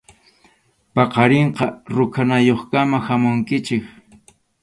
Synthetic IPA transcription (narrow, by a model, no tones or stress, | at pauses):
pɑqɑɾeɴqɑɾʊkʰanajoχkamahamʊŋkɪt͡ʃɪk